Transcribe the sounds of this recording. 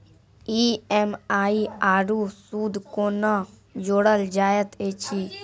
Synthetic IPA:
iemaːiaːɾusuːd̪kona | d͡ʒoːɽəld͡ʒaːjət̪eːt͡ʃʰi

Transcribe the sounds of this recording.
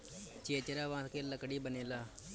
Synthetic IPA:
t͡ʃeːt͡ʃəɾaːʋãːt̪keːləkɽiːbəneːlaː

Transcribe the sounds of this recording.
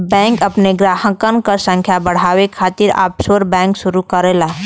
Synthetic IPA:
bɛ̃ːŋkəpneɡɾaːɦəkənkəsə̃ŋkʰjabəɽ̤aːwekʰaːt̪iɾa̰ːpsoɾbɛ̃ːŋkʃʊɾukəɾeːlaː

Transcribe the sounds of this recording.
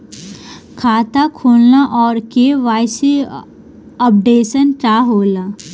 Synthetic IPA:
kʰaːt̪akʰoːlnaʔɔːɾkeʋaːjsi | əp̚ɖeːsənʈaːɦoːla

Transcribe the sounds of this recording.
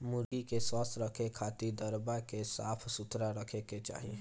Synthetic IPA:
mʊɾɡikeswast̪ʰɾəkʰekʰaːt̪id̪əɾbakesaːpʰsʊt̪ɾaɾəkʰeket͡ʃa̰ːɦi

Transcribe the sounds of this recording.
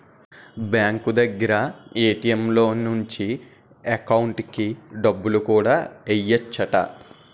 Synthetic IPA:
bjaːŋkud̪ɐɡːɐɾɐeːʈijɐmlo̞ːnuɲt͡ʃi | ekɐwuɳʈkiɖɐbːulukuːɽaːejːɐt͡ʃːɐʈɐ̰

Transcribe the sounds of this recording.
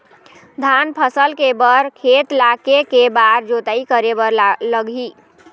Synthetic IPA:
d̪ʱanpʰəsəlkebəɾkʰet̪lakekebaɾd͡ʒot̪əikəɾebəɾləɡʱi

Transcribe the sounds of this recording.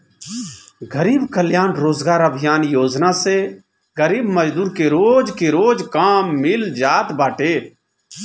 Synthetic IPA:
ɡəɾiːbkəljaːnɾoːzɡaːɾəbʱɪjaːnjoːd͡ʒnaːseː | ɡəɾiːbməd͡ʒd̪uːɾkeːɾoːd͡ʒkeːɾoːd͡ʒkaːmːɪld͡ʒaːt̪baːʈeː

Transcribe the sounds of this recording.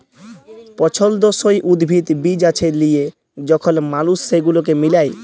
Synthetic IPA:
pɔt͡ɕʰold̪oʃojʔud̪bʱit̪bid͡ʑat͡ɕʰelije | d͡ʑɔkʰonmalusːeɡulok̬emilaj

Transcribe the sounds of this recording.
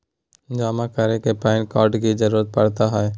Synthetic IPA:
d͡ʒaːmakəɾekepaːɪnkaːɾʈkid͡ʒəɾuːɾət̪̚pəɽt̪aɦɛɛ

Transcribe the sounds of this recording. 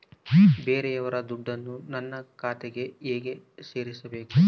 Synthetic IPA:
beːɾɛjɐʋɐɾɐd̪uɖːɐnːunɐnːɐkaːt̪eɡe̞eːɡe̞ | se̞ːɾisɐbe̞ːku

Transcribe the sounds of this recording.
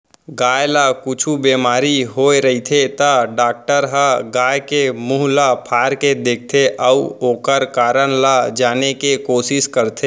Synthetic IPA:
ɡaːjlakʊt͡ʃʰubeːmaːɾiɦoːeɾəit̪ʰet̪aɖaːk̚ʈəɾɦaɡaːjkemuːɦlapʰaːɾked̪eːk̚ʰt̪ʰeʔəuoːkəɾkaːɾənlad͡ʒaːnekekoːsɪʃkəɾt̪ʰeː

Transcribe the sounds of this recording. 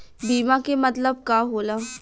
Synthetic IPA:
biːmãkemɐt̪ləb̚kaːɦoːlaː

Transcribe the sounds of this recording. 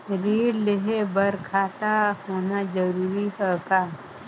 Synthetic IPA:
ɾiːɽleɦebɐɾkʰaːt̪ahoːnad͡ʒəɾuːɾiɦəkaː

